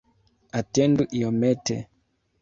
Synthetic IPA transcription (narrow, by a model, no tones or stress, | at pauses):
atɛnduʔiɔmɛtɛ̰